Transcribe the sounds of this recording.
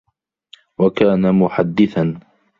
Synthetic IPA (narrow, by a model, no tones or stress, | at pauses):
wakaːnamʊħad̪ːɪθan